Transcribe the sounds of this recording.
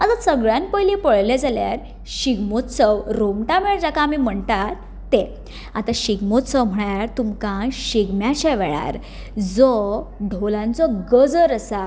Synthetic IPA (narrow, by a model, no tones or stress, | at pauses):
at̪asəɡɭjãnpəjlipəɭled͡zalja̰ɾ | ɕiɡmot̪səwɾomʈam̤eɭaɾd͡zakaːmim̤əɳt̪aɾ | t̪ːe | at̪aɕiɡmot̪səwm̤əɳaɾt̪umkãɕiɡmjat͡ɕãʋɛɭa̰ɾ | d͡zɔɖʱolãnt͡sɔɡəd͡zəɾəsa